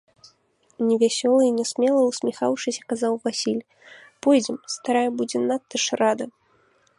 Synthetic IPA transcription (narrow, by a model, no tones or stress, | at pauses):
nʲɛvʲasʲɔlˠɨinʲɛsʲmʲɛlˠɐwsʲmʲɛxawʂɨsʲɐ̥kazawvasʲilʲ | pɔjd͡zʲɛmst̪aɾajɛbud͡zʲɛnat̪ːɐʂrad̪ɐ